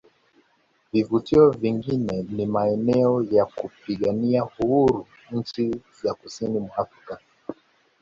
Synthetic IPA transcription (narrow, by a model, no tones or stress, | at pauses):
vivutiɔviŋɡinɛnimaɛnɛɔjakupiɠaniahuhuɾu | ɲ̩t͡ʃizakusinimwaafɾika